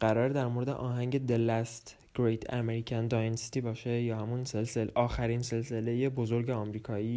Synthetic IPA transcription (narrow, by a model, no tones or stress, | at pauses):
ɢæɾɒːɾed̪æɾmoɾed̪e̞̰ʔɒːɦæŋɟe̞d̪elæst̪ | ɡ̥ɾejt̪ʰæ̰meɾiːcʰænd̪ɒjensi̥t̪iːbɒːʃe̞jɒːhæmunse̞lselʔɒːxæɾinse̞lse̞le̞jebo̞zo̞ɾɟeɒmɾiːkʰɒːiː